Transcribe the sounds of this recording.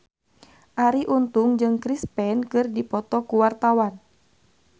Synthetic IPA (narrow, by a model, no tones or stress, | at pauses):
ʔaɾiʔunt̪uŋd͡ʒɨŋkɾispɛnkɨrdipɔt̪ɔkuwart̪awan